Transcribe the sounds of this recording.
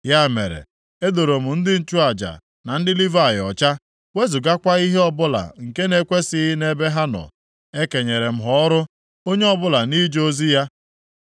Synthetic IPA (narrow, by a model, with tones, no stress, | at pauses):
ja˦˨me˨ɾḛ˨ | e˦do˨ɾo˨m̩˨n̩˦dɪ˦n̩˦t͡ʃu˦a˨d͡ʒa̰˨ | na˨n̩˦dɪ˦li˦va˨jɔ˨t͡ʃa˦ | we˦zu˨ɡa˦kʷa˦i˦ɦe˦ɔ˦bʊ˦la̰˨ŋ̩˨ke˦ne˦kʷe˦sɪ˦ne˦be˦ɦa˦nɔ̰˨ | e˦ke˨ɲe˨ɾe˨m̩˦ɦɔ˦ɾʊ˦ | o˦ɲe˦ɔ˦bʊ˦la˨ni˦d͡ʒo˦zi˦ja˦